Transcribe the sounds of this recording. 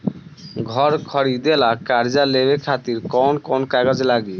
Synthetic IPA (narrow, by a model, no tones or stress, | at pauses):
ɡʱɔɾkʰɔɾid̪elakaɾd͡ʑalebekʰat̪iɾkɔnkɔnkaɡad͡ʑlaɡi